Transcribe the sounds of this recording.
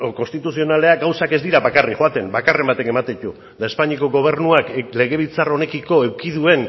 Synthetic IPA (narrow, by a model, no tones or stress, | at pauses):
ko̞nst̪it̪usio̞nale̞aɡawsake̞zd̪iɾaβakarixoat̪e̞mbakare̞mbat̪e̞ke̞mat̪et̪u | d̪ae̞spaɲiako̞ɣo̞β̞e̞ɾnuakle̞ɣe̞β̞it͡saro̞ne̞kiko̞e̞wkiðue̞n